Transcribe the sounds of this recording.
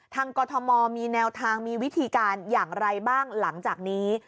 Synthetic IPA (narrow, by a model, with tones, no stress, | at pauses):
t̪ʰaː˧ŋkɔː˧t̪ʰɔ˧mɔː˧miː˧nɛː˧wt̪ʰaː˧ŋmiː˧wi˦˥t̪ʰiː˧kaː˧njaː˨˩ŋɾa˧jbaː˥˩ŋla˩˦ŋt͡ɕaː˨˩k̚niː˦˥